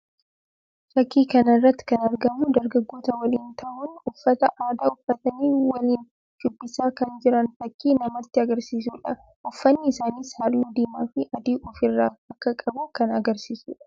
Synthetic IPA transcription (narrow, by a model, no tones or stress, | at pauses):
fɐkːiːkɐnɐrːɐt̪ːɪ̥kɐnɐɾɡɐmud̪ɐɾɡɐɡːoːt̪ɐwɐliːnt̪ɐʔʊnʊfːɐt̪ɐʔaːd̪aːʊfːɐt̪ɐniːwɐliːn | t͡ʃʊbːɪsaːkɐnd͡ʒɪɾɐnfɐkʰːiːnɐmɐt̪ːɪɐɡɐɾsiːs̬uːᶑɐ | ʔʊfːɐnːɪɪsaːniːshɐɾluːd̪iːmaːfɪʔɐd̪iːʔʊfɪrːaːɐkːɐkʼɐbʊkɐnɐɡɐɾsiːsṵːᶑɐ̥